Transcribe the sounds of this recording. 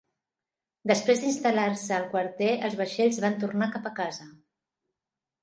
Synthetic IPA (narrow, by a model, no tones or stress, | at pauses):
d̪əspɾezd̪inst̪əlaɾsəːlˠkwəɾt̪ɛʔəlˠzβəʃeʎzβant̪̬urnakapəkazə